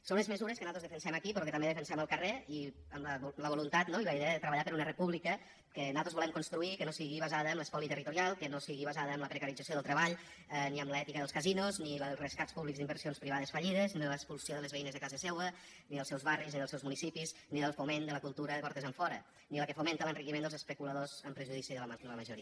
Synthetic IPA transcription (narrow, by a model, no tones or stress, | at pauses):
sonlezməzuɾəskənat̪ɾozðəfənsɛməkipɾɔkət̪ɐmbeðəfənsɛməlˠkəreiəmləβləβ̞olunt̪at̪noiləiðɛəðət̪ɾəβɐʎapəɾunərepuβlikə | kənat̪ozβulɛmkunst̪ɾuikənosiɣiβəzaðəːmləspɔlit̪ərit̪uɾialˠkənosiɣiβazaðəːmləpɾəkəɾid͡zəsioð̞əlˠt̪ɾəβaʎ | ɛniəmləɛt̪ikəðəlskəzinuznilərəskatspuβlikzd̪imbəɾsionspɾiβaðəsfəʎiðəzniðələkspulsioðələzβəinəzðəkazəsɛwə | niðəlˠsɛwzβarizniðəlˠsɛwzmunisipizniðəlˠfumend̪ələkulˠt̪uɾəðəkɔɾt̪əzəɱfɔɾə | niləkəfument̪ələnrikimend̪əlˠzəspəkuləðozəmpɾəʒuð̞isiðələmd̪ələməʒuɾi